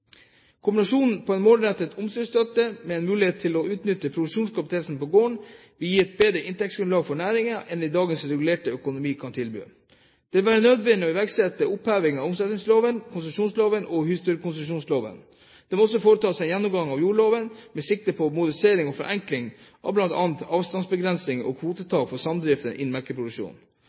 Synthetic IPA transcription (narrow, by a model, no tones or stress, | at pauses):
kʰʊmbɪnɑʂuːnn̩pʰɔɛnmoːlɾɛt̪ːət̪ʰʊmsœst̪œt̪ːəmɛɛnmʉːlɪeːt̪ʰːɪlɔʉːt̪nʏt̪ːəpʰɾʊd̪ʉʂuːnskʰɑpt̪ʰeːlsn̩pɔɡoːəɳ | ʋɪljiːɛt̪̚beːd̪ɾəʔɪnt̪ɛk̚sɡɾʉnɑːɡfɔɳæːɾɪŋəʔɛnɛd̪ɑːɡənsɾɛɡʉleːʈəœkʊnʊmiːkʰɑnt̪ʰɪlby̰ː | d̪̥ɛʋɪlʋæːɾənød̪ʋɛnːɪɔɪʋæɾɡsɛt̪ːəʊphæːʋɪŋɑʋʊmsɛt̪nɪŋsloːʋənkʰʊnsʉmʂuːnsloːʋənʔɔhyst̪ʉɾəkʰʊnsmʂuːnsloːʋə̰n | d̪̥ɛmɔsːɔfoːɾət̪ʰɑːsɛjɛnːʊmɡɑŋːɑʋjuːɭoːʋənmɛsɪk̚t̪əpʰɔmʊd̪əɾseːɾɪŋɔfɔɾʔɛŋklɪŋ | ʔɑ̰ʋblɑnt̪ɑːnt̪ɑːʋst̪ɑnsbəɡɾɛnsɪŋɔ̰kʰʋuːt̪ət̪ʰɑːkfɔsɑmd̪ɾɪft̪ənʔɪ̰nmæɾkəpʰɾʊd̪ʉkʂṵːn